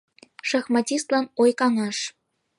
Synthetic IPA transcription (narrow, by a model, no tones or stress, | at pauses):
ʃɑxmɑtʲist̪lɑnojkɑŋɑʃ